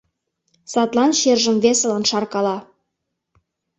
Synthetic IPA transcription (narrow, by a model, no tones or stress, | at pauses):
sɑt̪lˠɑnʃerʒə̆mvesə̆lənʃɑrkɑlɑ